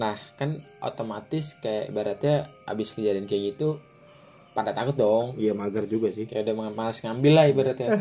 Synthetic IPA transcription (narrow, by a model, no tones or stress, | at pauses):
nahkanʔo̰t̪omat̪ɪskaja̰ʔibaɾat̪jaa̰bɪskəd͡ʒadɪnkajakɡit̪u | padat̪akʊt̪̚dɔŋijamaɡərd͡ʒuɡasɪkajaudahmmalasŋambɪlːahibaɾat̪ja